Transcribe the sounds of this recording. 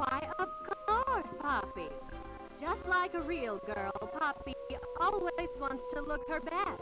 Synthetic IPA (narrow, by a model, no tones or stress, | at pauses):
waɪʌvɡɑd̚pʰɑpḭ̥ | d͡ʒʌstˡlaɪkɨɹilˠɡɜ˞lˠpʰɑpiɔlˠwizwɑ̃ntstʰəlʊkhə˞bæk